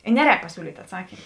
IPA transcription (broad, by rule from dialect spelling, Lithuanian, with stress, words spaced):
ɪ ˈnʲæːˌrʲɛːk pɐˈsʲuːlʲiːtʲ ɐtˈsɑːkʲiːm